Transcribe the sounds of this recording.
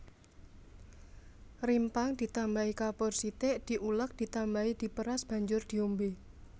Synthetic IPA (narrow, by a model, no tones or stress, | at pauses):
rimpaŋd̪̥i̤t̪ambaikabɔrsit̪eʔd̪̥i̤ʔulək̚d̪̥i̤t̪ambaid̪̥i̤pəɾasb̥ä̤ɲd͡ʒʊrd̪̥i̤ombe